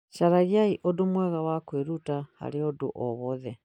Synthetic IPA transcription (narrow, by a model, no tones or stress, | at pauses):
ʃaɾaɣiaiʔɔdomwɛɣawakweɾutaha̰ɾeɔdo̰ʔɔβɔðɛ